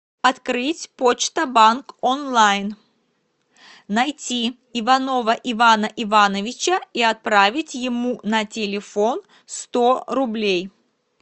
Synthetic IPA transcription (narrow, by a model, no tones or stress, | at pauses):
ɐt̪kɾɨtʲpot͡ɕt̪əbankonlˠajn | nɐjtʲi | ɪvɐno̞vəʔivanəʔɪvanəvʲɪt͡ɕəiɐt̪̚pɾavʲɪtʲjɪmunɐtʲɪlʲɪfon | st̪oɾʊblʲej